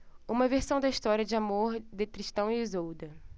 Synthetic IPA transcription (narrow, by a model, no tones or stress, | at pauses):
ũmɐveɾsɐ̃w̃d̪ɐiʃt̪ɔɾiɐd͡ʒɪamoɾd̪ek̪ɾiʃt̪ɐ̃w̃iizowd̪ɐ